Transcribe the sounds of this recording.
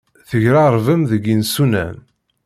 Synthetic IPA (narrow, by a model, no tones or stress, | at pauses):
θəʝɾɑɾˤvəmðəɡinsunæ̰n